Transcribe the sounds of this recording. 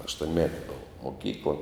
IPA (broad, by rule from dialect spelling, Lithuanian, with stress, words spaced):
ɐʃtuɔnʲˈmʲæːtʲɪ ˈboːʋɐ moːˈkʲiːklˠɐ